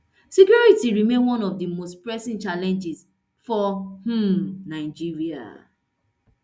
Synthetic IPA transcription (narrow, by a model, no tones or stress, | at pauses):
sikjuɹitiɹimẽnwɔ̃nɔvdimostpɹɛsĩnt͡ʃalɛ̃nd͡ʒis | fɔh̩naɪd͡ʒiɹia̰